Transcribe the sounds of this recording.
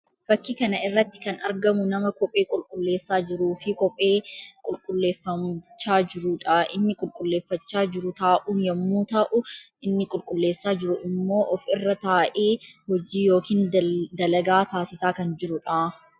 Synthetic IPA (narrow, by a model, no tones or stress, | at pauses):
fɐkːikɐnɐʔɪrːɐt̪ːɪ̥kɐnɐɾɡɐmʊnɐmɐkɔpʼe̞ːkʼʊlkʼʊlːe̞ːsːaːd͡ʒɪɾuːfɪkɔpʼe̞ːkʼʊlkʼʊlːe̞ːfːɐmt͡ʃːaːd͡ʒɪɾʊᶑaʔɪ̰nːɪkʼʊlkʼʊlːe̞ːfːɐt͡ʃːaːd͡ʒɪɾʊt̪aːʔuːnjɐmːuːt̪ɐʔʊʔɪnːɪkʼʊlkʼʊlːe̞ːsːaːd͡ʒɪɾʊʔɪmːo̞ːʔɔfɪrːɐt̪aːʔeːhɔd͡ʒiːjoːkiːnd̪ɐlɐɡaːt̪aːsɪsaːkɐnd͡ʒɪɾʊᶑaː